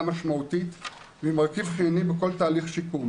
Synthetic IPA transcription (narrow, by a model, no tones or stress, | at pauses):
maʃmaut̪it | vimaʁkifχinibeko̞lt̪aːliχʃiku